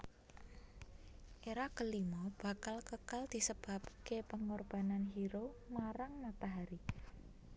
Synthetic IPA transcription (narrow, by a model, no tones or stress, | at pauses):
ʔeɾakəlimɔb̥ä̤kalkəkald̪̥i̤səb̥a̤pkepəŋɔrb̥a̤nanɦiɾomaɾaŋmat̪aɦaɾi